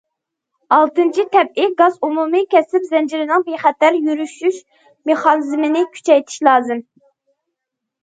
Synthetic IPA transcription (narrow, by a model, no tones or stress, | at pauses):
ɑlˠt̪ɨnt͡ʃʰit̪ʰɛp̚ɪɡɑzumumɨkʲʰɛsɪpzɛnd͡ʒiɾɪnɨŋbiχæt̪æɾjyɾyʃyʃ | meχɑnɨzmɪnɪkʲʰy̥t͡ʃʰɛjt̪ʰi̥ʃlˠɑːzɨm